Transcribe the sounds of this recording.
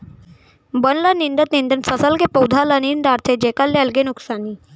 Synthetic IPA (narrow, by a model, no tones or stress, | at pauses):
bənlanind̪ət̪nind̪ənsəsəlkepəwd̪ʱalanind̪aɾt̪ʰed͡ʑekalːeəlɡenuksaniː